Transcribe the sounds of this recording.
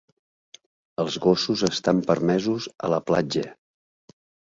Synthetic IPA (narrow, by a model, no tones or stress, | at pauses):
əlˠzɣosuzəst̪ampəɾmɛzuzə̰ləplad͡ʒə